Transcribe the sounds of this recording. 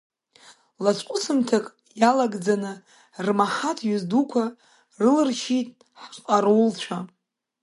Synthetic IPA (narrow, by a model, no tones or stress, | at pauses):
lat͡ɕʷʼqʷʼʊsɨmtʰakʼ | jalaɡd͡zanɨ | rmaħatʰɥʏzdukʷʰa | rɨlɨrʃitʼ | ħqʼaɾowlt͡ɕʷʰa